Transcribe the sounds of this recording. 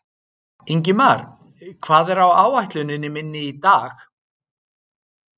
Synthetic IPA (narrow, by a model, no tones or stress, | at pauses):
iɲc̬ɪmaɾ̥ | kʰv̥aːðɛɾawaːwajht̪lʏnɪnːɪmɪnːɪit̪aːx